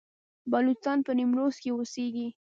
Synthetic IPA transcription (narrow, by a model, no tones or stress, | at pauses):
bɑlut͡sɑnpənimɾoskeoseɡi